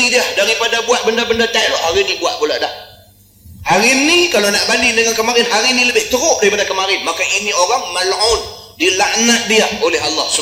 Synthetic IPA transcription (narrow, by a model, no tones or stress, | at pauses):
idiahdaɾipadabuat̪̚bəndabəndat̪alhɔʔhaɾinĩbuaʔ̪̚bulaʔdah | haɾinĩkalonaʔbanidəŋankəmaɾɪnɦaɾinĩləbɪht̪əɾʊʔ̚daɾipadakəmaɾɪnmakaʔinioɾaŋməlʊn | dilaʔnat̪̚diaolɛɦalːɑhsu